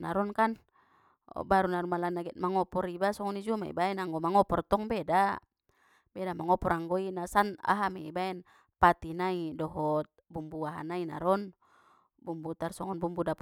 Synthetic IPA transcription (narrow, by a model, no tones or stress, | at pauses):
naɾɔnkan̰ | baɾunaɾumalanaɡɛt̪̚maŋɔpɔɾibasɔŋɔnid͡ʒumaḭbaɛnaŋɡɔmaŋɔpɔrt̪ɔŋbeda | bɛdamaŋɔpɔɾaŋɡɔinasana̰ɦamɛibaɛn | pat̪inaidɔɦɔt̪̚bumbuaɦa̰naina̰ɾɔn | bumbut̪arsɔ̰ŋɔnbumbudap